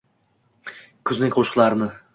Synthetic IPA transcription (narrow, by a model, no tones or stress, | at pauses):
kʲʰʊznɪŋʲkʲqʰoʃqlˠaɾnɪ